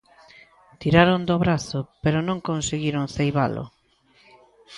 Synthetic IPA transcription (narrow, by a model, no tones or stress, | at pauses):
t̪iɾaɾond̪oβɾaθopeɾonõŋkonseɣiɾoŋθejβa̰lʊ̰